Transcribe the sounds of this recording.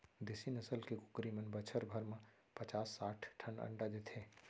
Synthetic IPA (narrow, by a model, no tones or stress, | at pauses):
d̪ɪsinəsəlkekʊ̥kɾimənbət͡ʃʰəɾbʱəɾmẽ | pət͡ʃaːsːaːʈʰʈʰːənə̰̃ɳɖad̪et̪ʰeː